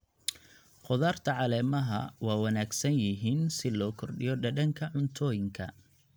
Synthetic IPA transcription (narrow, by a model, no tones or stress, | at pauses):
qʊðaːrt̪ʰɐʕɑlɛːmɐɦɐ̰wɑːwɐnaːɡsɐnjɪɦiːnsɪlɔːkʰɔrɖɪjɔɖɐɖɐŋkʰɐʕʊnt̪ʰɔːjɪŋkʰɐ̰